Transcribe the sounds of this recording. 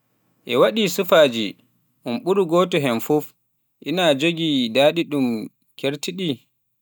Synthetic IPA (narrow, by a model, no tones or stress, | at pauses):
ʔɛwaɗisufaːd͡ʒi | ʔunɓuɾuɡɔːtɔɦɛnfuf | ʔinad͡ʒoɡidaɗiɗum | kʰeɾtiɗi